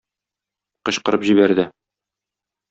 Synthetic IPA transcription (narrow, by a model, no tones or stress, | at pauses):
qɤ̆ɕqɤ̆ɾɤpʑiβbæɾd̪ɘ